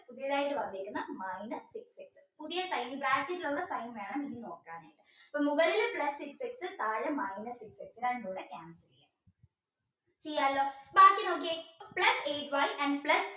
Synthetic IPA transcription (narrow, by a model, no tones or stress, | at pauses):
puðijɐðaːjiʈːɨʋɐnd̪ijɾunːɐmajnɐsikseksɨ̥puðijɐsɐjnibraːʈːiʈːiluɭːɐsɐjnʋe̞ːɳɐminːino̞ːkːaːɳa̰ːjʈːɨɐpːɐmuɣɐɭilpɭɐsːikseksɨt̪aːɻɐmajnɐsikseksinaːend̪uːɭːekʲaːnsɐlija̰ | t͡ɕejːaːlːoːbaːkːɨno̞ːk̬ːipɭɐseːʈʋɐjʔɐɳɖpɭɐs